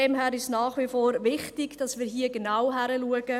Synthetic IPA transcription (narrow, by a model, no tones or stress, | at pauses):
ɛmɦæːɾɪʃnaːχʋifoːɾvɪχtɪɡ̥d̥ɑsmiːɾɦiːəɡənawɦæɾəluəɡ̥ə